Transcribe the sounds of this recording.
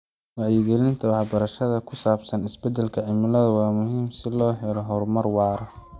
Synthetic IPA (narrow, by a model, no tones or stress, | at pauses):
wɑʕjɪɡɛlɪnt̪ʰɐwɑħbɐɾɐʃɐðɐkʰʊsaːbsɐnɪsbɛd̪ɛlkʰɐʕɪmɪlɐðɐwɑːmʊɦiːmsɪlɔːħɛɾɔɦɔrmɐrwɑːɾɐ